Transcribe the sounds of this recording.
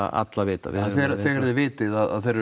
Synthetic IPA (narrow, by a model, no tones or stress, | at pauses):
a̰a̰t̪lavɪːt̪a̰vɪɛnθɛɾθɛɣɛɾðɪvɪːt̪ɪðaða̰ðθɛɾ